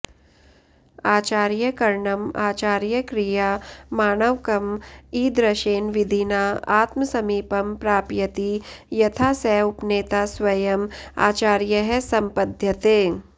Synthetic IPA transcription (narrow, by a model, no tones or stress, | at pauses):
aːt͡ʃaːɾjəkɐɾɳɐmaːt͡ʃaːɾjəkɾijaːmaːnəʋkɐmiːd̪ɾɐʃeːnʋɪd̪ʱinaːaːt̪mɐsɐmiːpɐmpɾaːpjɐt̪ijɐt̪ʰaːsɛʊpneːt̪aswɐjɐma̰ːt͡ʃaːɾjəɦɛsɐmpɐd̪ʱjɐt̪eː